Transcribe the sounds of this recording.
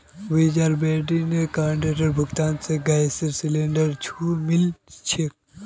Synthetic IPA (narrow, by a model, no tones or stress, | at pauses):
ʋid͡ʒaːɾbeːɖinekaːɳɖeʈɐɾbʱuɡt̪aːnseɡajsiɾsileɳɖəɾt͡ʃʰumilt͡ʃʰik̚